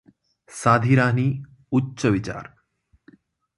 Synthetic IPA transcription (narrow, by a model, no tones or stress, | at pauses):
saːd̪ʱiɾaːniː | utːɕəʋit͡ɕa̰ːɾ